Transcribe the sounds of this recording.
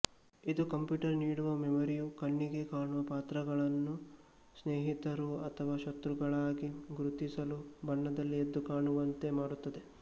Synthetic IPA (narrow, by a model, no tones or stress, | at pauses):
id̪ukɐmpjuːʈɐɾniːɽuʋɐmemɐɾijukɐɳːiɡe̞kaːɳuʋɐpaːt̪ɾɐɡɐɭɐnːu | sneːɦit̪ɐɾuɐt̪ʰɐʋaːʃɐt̪ɾuɡɐɭaːɡiɡɾut̪isɐlubʱɐɳːɐd̪ɐlːied̪ːukaːɳuʋɐnt̪e̞maːɽut̪ːɐd̪e̞